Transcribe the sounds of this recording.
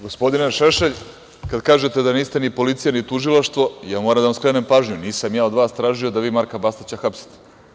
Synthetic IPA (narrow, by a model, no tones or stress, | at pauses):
ɡo̞spo̞d̪ineʃeʃeʎ | kad̪kaːʒet̪ed̪aniːst̪e̞nipo̞lit̪sijanit̪uʒilˠaʃt̪ʋo̞jaːmoːɾamd̪aʋamskɾene̞mpaːʒɲuniːsamjaːo̞d̪ʋaːst̪ɾaːʒio̞d̪aʋiːmaɾkabast̪at͡ɕaxapsi̥t̪e̥